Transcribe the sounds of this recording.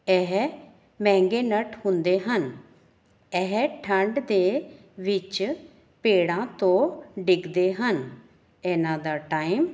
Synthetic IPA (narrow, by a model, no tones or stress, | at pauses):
ɛɦ | mɛ̃ːŋɡeːnəʈhʊ̃nd̪eːɦən | ɛɦʈʰəɳɖd̪eː | ʋɪt͡ʃ | peːɽãːt̪õːɖɪɡd̪eːɦən | ɛːnãːd̪aːʈaːim